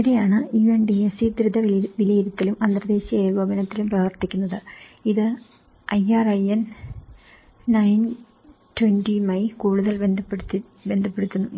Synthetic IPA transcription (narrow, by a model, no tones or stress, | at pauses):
iiɾejaːɳɨiːʋɐɳɖiesid̪ɾud̪ʱɐʋʋilɐjiɾɐt̪ːilumʔɐnd̪rɐd̪e̞ːɕɐeːɣoːbɐnɐt̪ːilumprɐʋɐrt̪ikʲːunːɐðɨiðɨ | ʔɐjaːrɐjen | ɐjn | twendimɐjkuːɽuðɐlbend̪ʱɐpːt̪ː | be̞nd̪ʱɐpːe̞ɽut̪ːunːu